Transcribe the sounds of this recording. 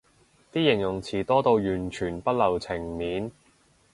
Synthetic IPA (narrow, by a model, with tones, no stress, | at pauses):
t̪iː˥jɪ˨˩ŋjʊ˨˩ŋt͡sʰiː˨˩t̪ɔː˥t̪o˧wjyː˨˩nt͡ʃʰyː˨˩npɐ˥t̚lɐ˨˩wt͡sʰɪ˨˩ŋmiː˨˥n